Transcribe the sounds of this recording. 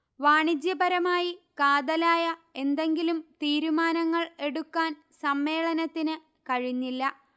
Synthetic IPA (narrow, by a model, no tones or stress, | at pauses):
ʋaːɳid͡ʑjɐbɐɾɐmaːjikaːd̪ɐlaːjɐe̞nd̪e̞ŋɡilumt̪iːɾumaːnɐŋːɐɭe̞ɽukːaːn | sɐmːe̞ːɭɐnɐt̪ːinɨ | kɐɻiɲːilːɐ